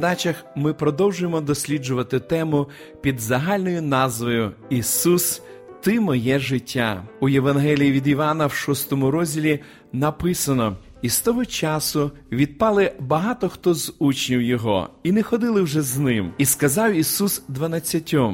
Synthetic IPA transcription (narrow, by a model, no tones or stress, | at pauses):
ɐd̪ɑt͡ʃɐxmɪpɾɔd̪ɔwʒʊjemɔd̪ɔsʲlʲid͡ʒʊʋɐt̪ɪt̪ɛmʊ | pʲid̪zɐɦɑlʲnɔjʊnɑzʋɔjʊisus | t̪ɪmɔjɛʒɪtʲːa̰ujeʋɐnɦɛlʲijiʋʲid̪iʋɑnɐwʃɔst̪ɔmʊɾɔzʲdʲilʲi | nɐpɪsɐnɔ | ist̪ɔɦɔt͡ʃɑsʊ | ʋʲid̪̚pɑlˠɪbɐɦɑt̪ɔxt̪ɔzut͡ʃnʲiwjɔɦɔ̰inexɔd̪ɪlˠɪwʒɛznɪmiskɐzɑwisusd̪ʋɐnɐt͡sʲːɐtʲɔm